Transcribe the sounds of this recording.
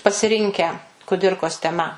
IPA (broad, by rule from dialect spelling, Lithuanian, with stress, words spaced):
pɐsʲɪˈrʲɪŋʲkʲæː kʊˈdʲɪrkoːs tʲɛˈmɐ